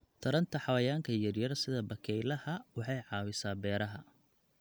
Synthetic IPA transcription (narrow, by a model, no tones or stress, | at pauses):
t̪ʰɐɾɐnt̪ʰɐħɑwɐjaːŋkʰɐjɐrjɐrsɪðɐbɐkʰɛjlɐhɐwɑħɑjʕɑːwɪsaːbɛːɾɐɦɐ